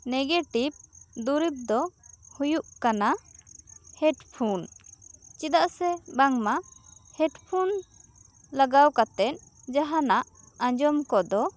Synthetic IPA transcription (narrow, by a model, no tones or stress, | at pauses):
nɛɡeʈib̚d̪uɾip̚d̪ɔhujuʔkana | hɛʈpʰun | t͡ʃid̪aʔsɛbaŋmahɛʈpʰun | laɡawkat̪ɛt̪̚ | d͡ʒaɦanaʔ | ãd͡ʒɔmkɔd̪ɔ